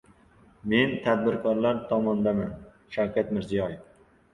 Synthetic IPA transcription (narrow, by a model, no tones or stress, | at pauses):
me̞nt̪ʰad̪̚bɪɾkʰɒɾlaɾt̪ʰɒmɒnd̪aman | ʃawkʲʰat̪mɪɾzijɒjɪf